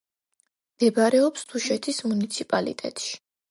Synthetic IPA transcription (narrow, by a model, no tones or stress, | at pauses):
md̪̥ɛbaɾɛɔpst̪ʰuʃɛt̪ʰismunit̪sʰipʼalḭt̪ʼɛ̰t̪ʼʃi̥